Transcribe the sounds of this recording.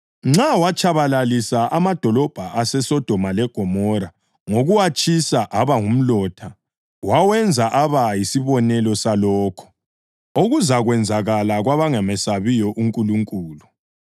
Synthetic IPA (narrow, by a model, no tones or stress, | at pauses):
ŋ͡ǁawat͡ʃʼaβalalisaʔamad̥ʱɔlɔb̥ʱaʔasɛsɔd̥ʱɔmalɛɡ̥ʱɔmɔɾa | ŋoɣuwat͡ʃʼisaʔaβaŋum̩lɔːtʰa | wawɛnd͡zʱaʔaβajisiβɔnɛlɔsalɔːkʰɔ̥ | oɣuzaɣwɛnd͡zʱaɣalaɣwaβaŋɛmɛsaβijɔʔuŋkʼuluŋkʼuːlu